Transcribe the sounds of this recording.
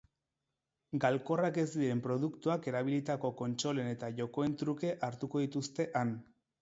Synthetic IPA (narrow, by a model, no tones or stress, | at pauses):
ɡalko̞rake̞zd̪iɾe̞mpɾo̞ð̞ukt̪uake̞ɾaβ̞ilit̪ako̞ko̞nt͡ʃo̞le̞ne̞t̪aʝo̞ko̞e̞nt̪ɾuke̞ʔaɾt̪uko̞ðit̪ust̪e̞ʔan